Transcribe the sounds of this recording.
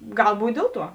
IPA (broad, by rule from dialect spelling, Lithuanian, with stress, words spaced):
ˈɡɐlˠ ˈbuːtʲ ˈdʲeːlˠ ˌtuɔ